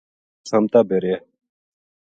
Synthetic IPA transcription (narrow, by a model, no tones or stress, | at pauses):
samt̪abeɾe